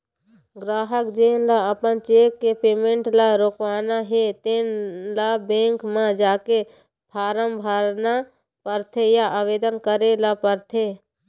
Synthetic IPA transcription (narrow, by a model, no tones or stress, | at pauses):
ɡɾaːɦəkd͡ʒeːnlaəpənt͡ʃeːkːepeːmẽɳʈlaɾoːkʋaːnaɦet̪eːnlabẽːŋkmãd͡ʒaːke | pʰaːɾəmbʱaɾna | pəɾt̪ʰejaʔaːʋeːd̪ənkəɾelapəɾt̪ʰe